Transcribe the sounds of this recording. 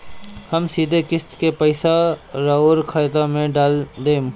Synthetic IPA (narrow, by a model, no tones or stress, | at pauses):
hɐmsiːd̪ʱekɪst̪kepɐɪsaɾaːuɾkʰaːjd̪amẽɖaːld̪eːm